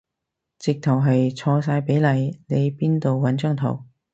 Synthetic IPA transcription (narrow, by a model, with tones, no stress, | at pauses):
t͡sɪ˨k̚t̪ʰɐ˨˩wɦɐ˨jt͡sʰɔː˧s̬aː˧jpe˨˥jlɐ˨˧jne˨˧jpiː˥nt̪o˨wwɐ˨˥nt͡ʃœ˥ŋt̪ʰɐ̰˨˩w